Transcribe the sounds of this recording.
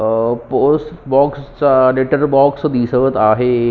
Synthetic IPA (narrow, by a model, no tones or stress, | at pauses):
posʈbɔkst͡saleʈəɾbɔksd̪isəʋət̪aɦe